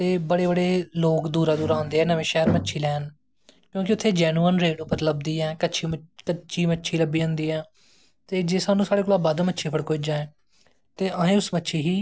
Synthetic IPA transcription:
t̪eːbəɽeːbəɽeːloːkd̪uːɾaːd̪uːɾaːɦʊ̃nd̪eːɛːnəʋẽːʃɛːɾmətːʃʰiːlɛːn | kjõːkɪʊt̪ʰːeːd͡ʒɛːnuːənɾeːɖʊpəɾləb̚d̪iːɛːkəʃʰiːkət͡ʃʰiːmətːʃʰiːləbːiːʊ̃ːnd̪iːɛː | t̪eːd͡ʒeːsaːnũːsaːɽeːkoːlaːbad̪mətːʃʰiːpʰəɽkoːɪd͡ʒãːɛ̃ː | t̪eːʔəːẽːʊsmətːʃʰiːɦiː

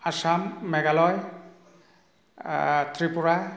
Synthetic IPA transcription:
asamːɛɡalɔj | tʰɹipuɹa

